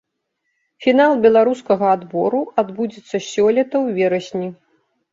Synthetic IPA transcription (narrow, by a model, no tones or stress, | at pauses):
fʲinalˠbʲɛlˠaɾuskɐɣɐad̪bɔɾuad̪bud͡zʲɛt̪sːɐsʲɔlʲɛt̪ɐwvʲɛɾɐsʲnʲi